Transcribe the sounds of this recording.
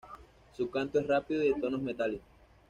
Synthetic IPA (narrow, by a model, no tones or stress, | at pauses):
sukant̪oe̞srapiðoðet̪onozmet̪ales